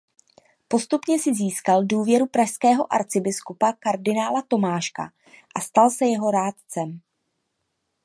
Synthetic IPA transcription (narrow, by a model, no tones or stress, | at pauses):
po̞st̪upɲɛsɪziːskalduːvjɛɾupɾaʃskɛːɦo̞ʔa̰ɾt͡sɪbɪskupakaɾdɪnaːlat̪o̞maːʃka̰ | ʔast̪alsɛjɛɦo̞ɾaːt̪t͡sɛm